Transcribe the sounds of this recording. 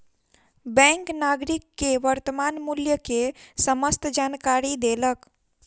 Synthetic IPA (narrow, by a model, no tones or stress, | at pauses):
bɛ̃ŋknaɡɾikːeʋəɾt̪əmaːnmuljəkesəməst̪d͡ʒaːnkaɾid̪elək